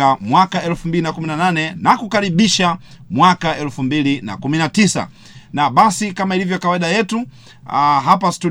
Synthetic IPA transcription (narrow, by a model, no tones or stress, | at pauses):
amwakaɛlfumbilinakuminananɛnakukaɾiɓiʃa | mwakaɛlfumbilina̰kuminatisa̰ | naɓasikamailivjɔkawaiɗajɛtu | ɦapastu